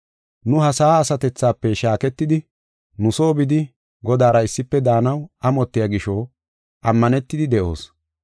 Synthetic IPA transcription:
nʊhɐsaːsɐt̪ɛt͡sːaːpːɛʃaːkɛt̪ːɪd̪ɪ | nʊso̞ːbɪd̪ɪ | ɡɔd̪aːɾɐɪsːɪpːɛd̪aːnɐwɐmɔt̪ːɪjaːɡɪʃo | ʔɐmːɐnɛt̪ːɪd̪ɪd̪ɛʔo̞̰ːs

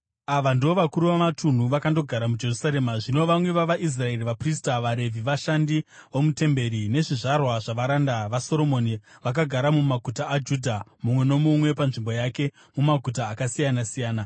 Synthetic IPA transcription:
aʋandio̞ʋakuɾuʋamatʰun̤uʋakando̞ɡʱaɾamud͡ʒe̞rusaɾe̞maʐino̞ʋamwe̞ʋaʋaʔis̬rae̞riʋapristaʋaɾe̞vʱiʋaʃandiʋomute̞mbe̞ɾine̞ʐiʐarwaʐaʋaɾandaʋaso̞ɾo̞mo̞niʋak̬aɡʱaɾamumaɡʱutaːd͡ʒudʱamumwe̞nomumwe̞panʐimbo̞jake̞ | mumaɡʱutaːkasijanasijaːna

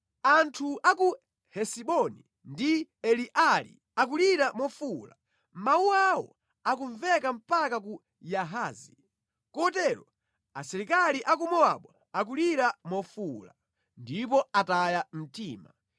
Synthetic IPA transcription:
antʰuaku | hɛsiɓɔni | ndiɛliʔalḭ | ak̬uliɾamɔfula̰ | mauawɔ̰ | akuɱvɛkam̩pakak̬u | jaɦaːzi | kɔtɛɾɔ | asɛɾikaliʔak̬umɔaɓwa | ak̬uliɾamɔfula | ndip̬ɔatajam̩tiːma

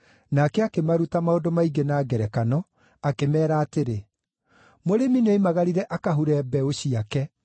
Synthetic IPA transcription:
nakɛakemaɾutamaodomaiɡenaːɡɛɾɛkanɔ | akemɛːɾaːteɾe | moɾemineimaɣaɾiɾɛʔakaɦuɾɛbɛoɕiakɛ

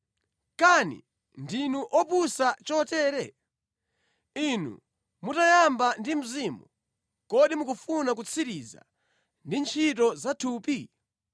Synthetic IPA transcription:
kanḭ | ndinuʔɔpusat͡ʃɔtɛːɾɛ | inṵ | mutajambandim̩zimu | kɔɗimukufunak̬ut͡sʰiɾiza̰ | ndint͡ʃʰit̬ɔzatʰuːpi

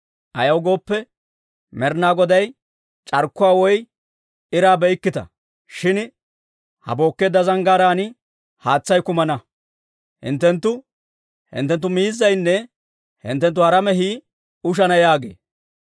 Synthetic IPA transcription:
ʔɐjɐwɡo̞ːpːɛ | mɛɾnaːɡɔd̪ɐj | t͡ʃʼɐɾkːʊwaːwɔj | ɪɾaːbɛjkːɪt̪ɐ̰ | ʃɪn | hɐ̰bo̞ːkːeːd̪ːɐzɐŋɡaːɾaːnɪ | haːt͡sːɐjkʊmɐnɐ | hɪ̰nt̪ːɛnt̪ːʊ | hɪ̰nt̪ːɛnt̪ːʊmiːzːɐjnːɛ | hɪ̰nt̪ːɛnt̪̬ːʊhɐɾɐmɛɦiː | ʊʃ̬ɐnɐjaːɡḛː

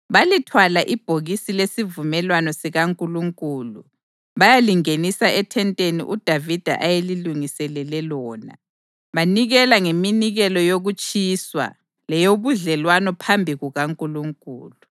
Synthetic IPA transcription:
βalitʰwalaʔib̥ʱoɣisilesivumɛlwanɔsiɣaŋkʼuluŋkʼuːlṵ | βajaliŋenisaɛtʰɛntʼenḭʔud̥ʱavid̥ʱa̰ʔajeliluŋisɛlɛlɛlɔːna̰ | βaniɣɛlaŋeminiɣɛlɔjoɣut͡ʃʼiswa̰ | lɛjoβuɮɛlwanɔpʰambʱiɣuɣaŋkʼuluŋkʼuːlu

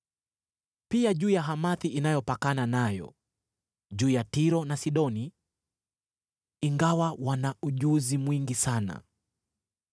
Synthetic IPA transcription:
piaʄuːjaɦamaθiʔinajɔpakananajɔ̰ | ʄuːjatiɾɔnasiɗɔni | iŋɡawawanauʄuzimwiŋɡisana̰

